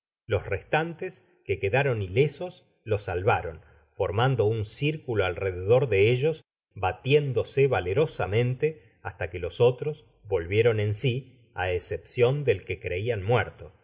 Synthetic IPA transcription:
lo̞srest̪ant̪es | kekeðaɾo̞nile̞so̞s | lo̞salβaɾo̞n | fo̞ɾmand̪o̞unsiɾkuloalreðeðo̞ɾðeeʒo̞s | bat̪jend̪o̞seβale̞ɾo̞samẽ̞nt̪e | ast̪akelo̞so̞t̪ɾo̞s | βo̞lβje̞ɾo̞ne̞nsi | a̰esepsjo̞nd̪e̞lkekɾe̞ianmwɛɾt̪o̞

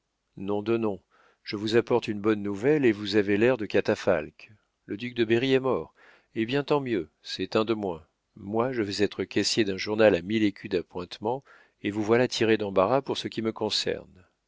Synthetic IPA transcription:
nɔ̃d̪ənɔ̃ | ʒ̥əvuzapɔʁt̪ynbɔnːuvɛlevuzavelɛʁd̪əkat̪afa̰lk | ləd̪yk̚d̪əbeʁiɛmɔʁ | ebjɛ̃t̪ɑ̃mjø | sɛt̪ɛ̃d̪əmwɛ̃ | mwaʒəvɛzɛt̪χəkʲɛsjed̪ɛ̃ʒuʁnalamilekʲʰyd̪apwɛ̃t̪mɑ̃ | evuvwalat̪ʰiʁed̪ɑ̃baʁapuʁsəkʲiməkɔ̃sɛ̰ʁn

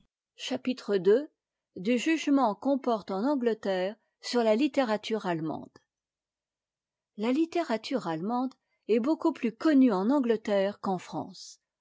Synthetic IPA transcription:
ʃapit̪χəd̪ø | d̪yʒyʒmɑ̃kɔ̃pɔʁt̪ɑ̃nɑ̃ɡlət̪ɛːʁ | syʁlalit̪eʁat̪ʰyʁalmɑ̰̃d̪̥ | lalit̪eʁat̪ʰyʁalmɑ̃d̪ | ɛbokuplykɔnyɑ̃nɑ̃ɡlət̪ɛʁkɑ̃fχɑ̰̃ːs

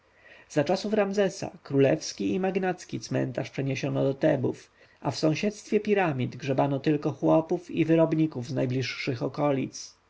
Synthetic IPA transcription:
zat͡ʂasufɾamzɛsa̰kɾulɛfskʲiimaɡnat̪skʲit̪smɛ̰nt̪aʂpʂɛɲeɕɔnɔd̪ɔt̪ɛbuf | afsɔ̃w̃ɕɛt̪st̪fʲjɛpʲiɾamʲid̪ɡʐɛbanɔt̪ɘlkɔxwɔpufivɘɾɔbɲikuvznajblʲiʂːɘxɔkɔlʲit̪s

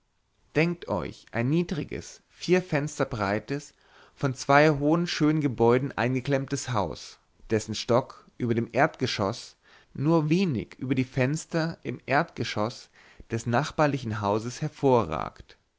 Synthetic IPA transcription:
d̥ɛŋk̚tʔɔ̰ʏçʔa̰ɪnːiːdʁɪɡə̰s | fiːɐfɛnstɐbʁaɪtəs | fɔnt͡sv̥aɪɦoːənʃøːnənɡəbɔʏdn̩ʔa̰ɪnɡəkl̥ɛmtəshaʊs | d̥ɛsn̩ʃtɔkʔyːbɐdeːmʔeːɐtɡ̥əʃɔ̰s | nuːɐveːnɪ̰çʔyːbɐdiːfɛnstɐʔɪmʔeːɐtɡ̥əʃɔs | d̥ɛsnaχb̥aːɐlɪçn̩ɦaʊzəshɛɐfoːɐʁa̰ːkt

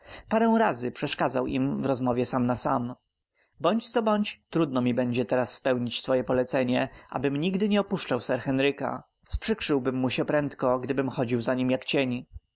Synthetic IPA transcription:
paɾɛ̃w̃ɾazɘpʂɛʂkad̪zawʔḭmvɾɔzmɔvʲjɛsamnasam | bɔɲt͡ɕt̪sɔbɔɲt͡ɕt̪ɾud̪̚nɔmʲibɛɲd͡ʑɛt̪ɛɾasːpɛwɲit͡ɕsfɔjɛpɔlɛt̪sɛɲɛʔa̰bɘmɲiɡd̪ɘɲɛɔpuʂt͡ʂawsɛɾxɛnɾɘka̰ | spʂɘkʂɘwbɘmːuɕɛpɾɛnt̪kɔɡd̪ɘbɘmxɔd͡ʑiwzaɲimjakt͡ɕeɲ

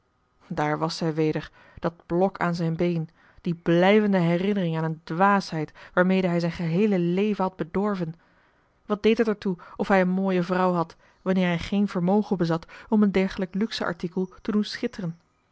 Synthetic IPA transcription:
daːɹʋɑsɛjʋejdəɹ | d̥ɑd̚b̥lɔkʰa̰ːnzɛjnbejn | d̥iblɛjvəndəɦɛrɪnərɪŋaːnəndʋaːsɦɛjtʋaːɹmejdəɦɛjzɛjnχəɦejləlejvənɦɑd̚bədɔɹvən | ʋɑd̚dejtɦətəɹtuɔfɦɛjənmoːjəvrʌwɦɑt | ʋɑnɪːɹɦɛjχejnvəɹmowχəbəzɑtɔməndɛɹχələklyksəʔɑ̰ɹtikəlˠtədunsχɪtərən

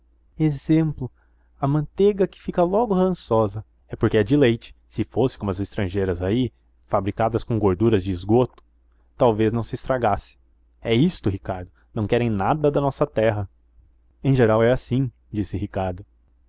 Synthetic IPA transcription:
ezẽmplʊ | ɐmɐ̃nt̪eɡɐkɪ̥fikɐlɔɡʊhɐ̃sɔzɐ | ɛpoɾkɪɐd͡ʒilejt͡ʃɪ̥sɪfosɪ̥̃kõmɐzest̪ɾɐ̃ʒejɾɐzai | fabɾikad̪ɐskõɡoɾd̪uɾɐzd͡ʒɪːzɡot̪ʊ̥ | t̪awveznɐ̃w̃sɪst̪ɾaɡasɪ̥ | ɛist̪ʊɦikaɾd̪ʊnɐ̃w̃kɛɾẽj̃nad̪ɐd̪ɐnɔsɐt̪ɛɦɐ | ẽj̃ʒeɾawɛasĩ | d͡ʒisɪɦikaɾd̪ʊ

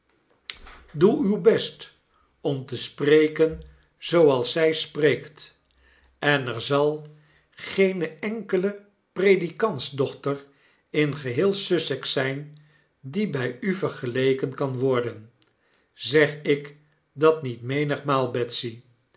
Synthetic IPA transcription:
duywbɛst | ɔmtəsprejkən | z̥owɑlˠsɛjspreːkt | ɛnɛɹzɑlˠ | χejnəɛŋkələ | prejdikɑntzdɔχtər | ɪnχəɦɪːlˠsɵsɛksɛjn | dibɛjyvəɹχəlejkənkɑnʋɔɹdən | zɛχɪk | dɑt̚nitmejnəχmaːlˠbɛtsi

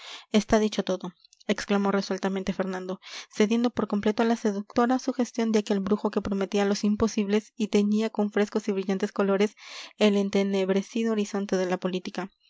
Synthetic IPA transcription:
est̪aðit͡ʃo̞t̪o̞ðo̞ | e̞ksklamo̞re̞swelt̪amẽ̞nt̪e̞fe̞ɾnãnd̪o̞se̞ðje̞nd̪o̞po̞ɾko̞mple̞t̪oalase̞ðuk̚t̪o̞ɾasuxe̞st̪jo̞nd̪jake̞lbɾuxo̞ke̞pɾo̞me̞t̪ialo̞simpo̞siβle̞sit̪e̞ɲiako̞ɱfɾe̞sko̞siβɾiʝant̪e̞sko̞lo̞ɾe̞se̞le̞nt̪e̞ne̞βɾe̞siðooɾiso̞nt̪e̞ðe̞lapo̞lit̪ika

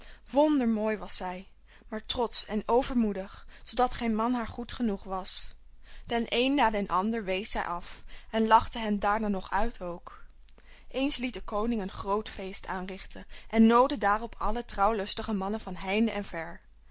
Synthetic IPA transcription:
ʋɔndəɹmoːjʋɑsɛj | maːɹtrɔtsɛnowvəɹmudəχz̥owdɑtχejnmɑnɦaːɹχutχənuχʋɑs | tɛnʔejnːaːdɛnʔɑndəɹʋejsɛjʔɑfɛnlɑχtəɦɛndaːɹnaːnɔχœɥtʰowk | ʔejnslit̚dəkownɪŋənχrowtfejstaːnrɪχtənʔɛnːowdədaːrɔpʰɑlətrɑwlɵstəχəmɑnəvɑnɦɛjndəʔɛnvɛɹ

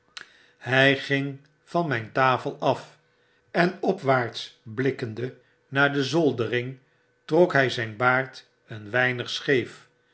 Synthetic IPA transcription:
hɛjχɪŋ | vɑnmɛjntaːfəlˠɑf | ɛnɔpʋaːɹt̪sblɪkəndə | naːɹdəzɔlˠdərɪŋ | trɔkɦɛjzɛjnbaːɹt | ənʋɛjnəχsχejf

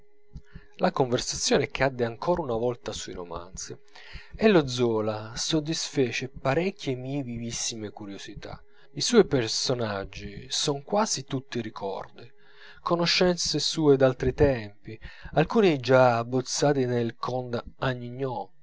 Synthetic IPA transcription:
lakoɱversat̪sːjoːnekʰad̪ːeaŋkʰɔːɾaunavɔlt̪asuiɾoma̰nt̪si | ɛlːod̪zɔːlasod̪ːisfɛːt͡ʃepaɾɛkʰʲːjemievivisːimekuɾjosit̪a̰ | isɔjpersonad͡ʒːisɔŋkwaːzit̪ut̪ːiɾikʰɔ̰rd̪i | konoʃːɛnt̪sesuːed̪alt̪ɾit̪ɛmpialkuːnid͡ʒaːbːot̪sːaːt̪inelkʰɔnd̪aɲːiɲːɔ

